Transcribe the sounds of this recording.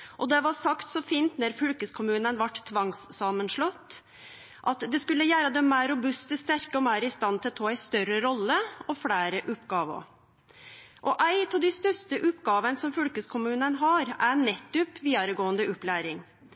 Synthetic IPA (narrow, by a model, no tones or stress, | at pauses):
ʔɔd̪ɛʋɑɾsɑkt̪sɔfiːnt̪nɔɾfʏlkəskʰʊmʉːnənʋɑʈt̪ʰːʋɑŋsːɑmənʂlɔt̪ː | ʔɑt̪d̪ɛskʉlːəjæːɾəd̪ɛmæːɾʊbʉst̪əst̪æɾkəɔmæːɾɪst̪ɑnt̪ʰɪlt̪ʰɑːæɪst̪œɾəɾɔlːəɔfɽæːɾəʔʉpɡɑːʋə̰ | ʔɔʔæɪt̪ʰɑʋd̪æɪst̪œʂtəʔʉp̪ɡɑːʋənsɔmfʏlkəskʰʊmʉːnənɦɑɾænɛt̪ːʉpʋiːd̪ɑɾəɡoːənd̪əʔʉplæːɾɪŋ